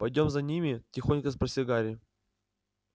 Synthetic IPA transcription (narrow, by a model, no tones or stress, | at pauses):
pɐjdʲo̞mzɐnʲimʲɪtʲɪxo̞nʲkəspɾəsʲɪɡaɾʲɪ